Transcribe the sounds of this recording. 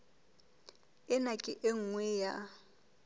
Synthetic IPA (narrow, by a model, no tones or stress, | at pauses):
ɛnakʼɪʔeŋwɛːja